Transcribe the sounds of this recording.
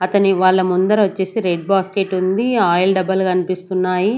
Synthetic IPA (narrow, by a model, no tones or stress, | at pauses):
ɐt̪ɐniʋaːɭːɐmund̪ɐɾɐʋɐt͡ʃːe̞ːsiɾeːɖ̚baːsʈe̞ːʈund̪iaːjɐlɖɐbɐlkɐnipist̪unːaːji